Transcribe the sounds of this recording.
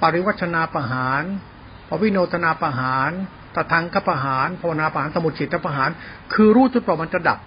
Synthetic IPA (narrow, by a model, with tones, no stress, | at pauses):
pa˨ɾi˦wa˥t̪̚t͡ɕʰa˧naː˧pa˧ɦaː˩˦n | pʰɔ˧˥wi˦˥˨noː˧t̪ʰa˧naː˧pa˧ɦaː˩˦n | t̪a˨˩t̪ʰa˦˧˥ŋkʰa˦˧˥pa˧ɦaː˩˦npʰa˧wa˧naː˧pa˧ɦaː˩˦nsa˧muo˨˩t̪t͡ɕʰiː˨˩t̪̚ʰːa˦˥˩pa˧ɦaː˩˦nkʰɯː˧ɾuː˥˩u˦˥pɔː˨˩ma˧nt͡ɕa˨˩da̰˨˩p̚